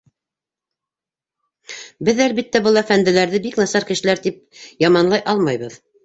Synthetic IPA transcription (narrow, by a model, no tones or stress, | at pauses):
bɘðælbit̪ːæbɤlˠæfænd̪ɘ̆læɾðɘbiknɑsɑɾkɘ̆ʃɘ̆læɾt̪ip̚jɑmɑnlˠɑjʔɑlˠmɑjβɤð